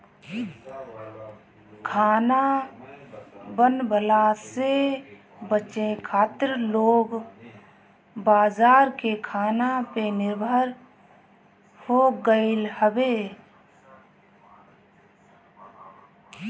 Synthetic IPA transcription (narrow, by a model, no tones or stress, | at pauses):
kʰaːna | bənbəlase | bət͡ʃẽkʰaːt̪ɪɾloːɡ | baːzaːɾkekʰaːnapenɪɾbʱəɾ | hoɡəɪlhəbe